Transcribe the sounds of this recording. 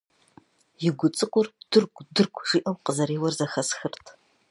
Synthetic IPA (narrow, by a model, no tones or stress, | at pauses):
jɪɡʷʊt͡sʼɨkʷʼʊrd̥ɨrkʷʼdɨrkʷʰʼʒ̥iːʔɐwqəzɐɾeːwɐrzɐxɐsxɨrtʰ